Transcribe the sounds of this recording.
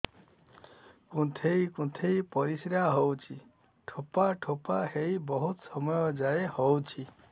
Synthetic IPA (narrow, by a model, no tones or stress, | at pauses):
kũt̪ʰejkũt̪ʰejpɔɾisɾaɦɔwt͡ʃʰi | ʈʰopaʈʰopahejbɔɦut̪sɔmɔjɔd͡ʒaehɔwt͡ʃʰi